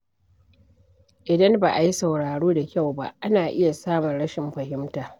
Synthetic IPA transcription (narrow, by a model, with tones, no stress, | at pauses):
ʔɪ˨dɐ˦mbaː˨ʔa˨ji˦sɐ˨wɽaː˨ɽuː˦da˨kʲa˦˨wba̰˦ʔa˦naː˨ʔɪ˦ja˨saː˦mʊ˨nɽɐ˦ʃɪ˨mɸɐ˨ɦɪ˦mtaː˨